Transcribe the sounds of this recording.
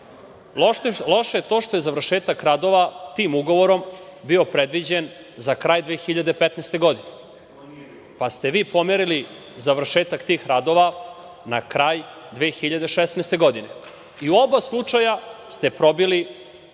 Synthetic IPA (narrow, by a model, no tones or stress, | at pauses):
lo̞ʃejet̪oːʃt̪o̞je̞zaʋr̩ʃeːt̪akɾad̪o̞ʋat̪iːmuɡo̞ʋo̞ɾo̞mbio̞pɾe̞d̪ʋid͡ʑen | zakɾaːjd̪ʋeːxiʎad̪epet̪nɛːst̪e̞ɡo̞d̪ine | past̪eʋiːpo̞meɾili | zaʋr̩ʃeːt̪akt̪iːxɾad̪o̞ʋa | nakɾaːj | d̪ʋeːxiʎad̪e̞ʃesnest̪e̞ɡo̞d̪ine | iuo̞baslˠut͡ʂajast̪e̞pɾo̞bili